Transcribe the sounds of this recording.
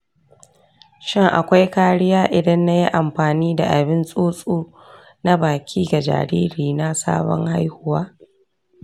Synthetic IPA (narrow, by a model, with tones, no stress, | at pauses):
ʃɪ˦ŋʔa̰˨kʷa˦jkaː˦ɽɪ˦jaː˦ʔɪ˨dɐ˦nːa˦ji˦ʔa˨mɸaː˨niː˦da˨ʔa˨bɪ˦nsʼoː˦sʼuː˦ | na˦baː˨kʲʰiː˦ɡa˨d͡ʒa̰ː˨ɾḭː˦ɾiː˨na˦sa̰ː˦bɔ̰˦ŋha˦jhʊ˦waː˦